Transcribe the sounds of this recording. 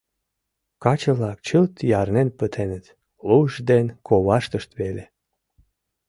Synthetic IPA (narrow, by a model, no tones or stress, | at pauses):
kɑt͡ɕəβlɑk̚t͡ɕəlt̪jɑrnenpət̪ʰenət̪ | luʒd̪enkoβɑʃt̪əʃt̪βele